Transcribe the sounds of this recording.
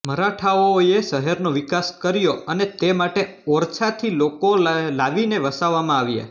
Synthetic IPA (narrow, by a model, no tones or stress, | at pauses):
məɾaʈʰaoeʃəɦɛɾnoʋɪkaskəɾjoənet̪emaʈe | ɔɾt͡ʃʰat̪ʰilokolaʋineʋəsaʋːamãaʋja̰